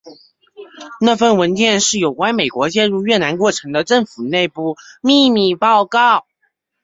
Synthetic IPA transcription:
na˥˧fə˥˩nwə˧˥nt͡ɕjɛ˥˧nʂɻ̩˥˩jo˨˩ʊkwa˥nme˨˩ɪkwɔ˧˥t͡ɕjɛ˥˧nɻu˥˧ɥɛ˥˩na˧˥nkwɔ˥˩ʈ͡ʂʰɤ˧˥ŋd̪ə˧ʈ͡ʂɤ˥˩ŋfu˨˩ne˥˧ɪpu˥˧mi˥˧mi˥˩pɑ˥˧ʊkɑ˥˩ʊ

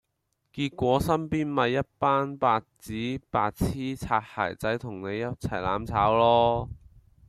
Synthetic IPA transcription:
kiː˧t̚kʷɔː˨˥sɐ˥mpiː˥nmɐ˨˧jːɐ˥t̚paː˥npaː˧t̚t͡siː˨˥paː˧t̚t͡sʰiː˥t͡sʰaː˧t̚ha̰ː˨˩jt͡sɐ˨˥jt̪ʰʊ˨˩ŋne˨˧jːɐ˥t̚t͡sʰɐ˨˩jla̰ː˨˧mt͡sʰaː˨˥wlɔː˥

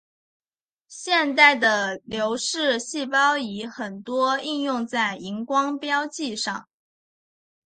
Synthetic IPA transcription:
ɕjɛ˥˧nt̪a˥˩ɪd̪ə˩ljo˧˥ʊʂɻ̩˥˧ɕi˥˩pɑ˥ʊi˧˥xə˨˩nt̪wɔ˥i˥˧njʊ˥˧ŋt͡sa˥˩ɪi˧˥ŋkwɑ˥ŋpjɑ˥ʊt͡ɕi˥˧ʂɑ̰˥˩ŋ

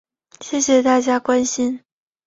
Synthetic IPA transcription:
ɕjɛ˥˩ɕjɛ˨˩t̪a˥˩t͡ɕja˥kwa˥nɕi˥n

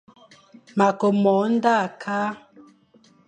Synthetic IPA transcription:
ma˨ko˨mɔ˨˦n˦da˦˨kʰa˦

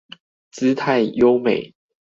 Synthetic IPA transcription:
t͡sɹ̩˥˦t̪ʰa˥˨ɪjo˦ʊme˨˩˦ɪ

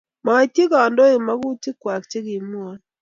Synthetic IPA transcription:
ma˨ti˦kɔ˨ndɔ˦ɪ˨ma˦ɡu˦ti˦kwa˨kt͡ʃe˦ɡɪ˨m˦ɔ˦n

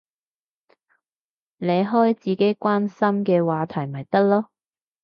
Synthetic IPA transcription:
ne˨˧jɦɔː˥jt͡siː˨ke˥jkʷwaː˥nsɐ˥mkɛː˧waː˨˧t̪ʰɐ˨˩jmɐ˨˩jt̪ɐ˥k̚lɔː˥

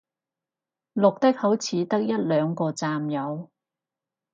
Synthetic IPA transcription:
lʊ˨k̚t̪ɪ˥k̚hɐ˨˥wt͡sʰiː˨˧t̪ɐ˥k̚jɐ˥t̚lœː˨˧ŋkɔː˧t͡saː˧mjɐ˨˧w

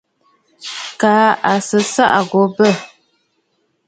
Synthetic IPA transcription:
kaː˨˦a˨sə˨˦sa̰˦ʔa˨ɡo˨˦bə˦˨

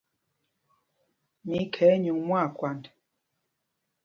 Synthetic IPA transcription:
mi˨˦kʰɛ˨˦ɲu˨ŋmwa˦˨kwa˨n

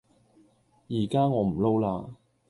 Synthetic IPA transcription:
jiː˨˩kaː˥ŋɔː˨˧m̩˨˩lo˥wlaː˧

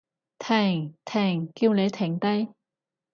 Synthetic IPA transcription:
t̪ʰɛː˨˩ŋt̪ʰɛː˨˩ŋki˧wle˨˥t̪ʰɛː˨˧˩ŋt̪a˧j

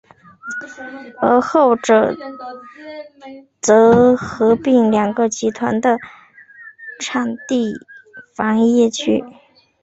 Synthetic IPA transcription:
ə˧˥xo˥˩ʊʈ͡ʂɤ˨˩ | t͡sɤ˧˥xɤ˧˥pi˥˩ŋljɑ˨˩ŋɡə˧t͡ɕi˧˥t̪ʰwa̰˧˥nd̪ə˧ | ʈ͡ʂʰɑ˨˩ŋt̪i˥˩fɑ˧˥ŋjɛ˥˧t͡ɕʰy˥˩

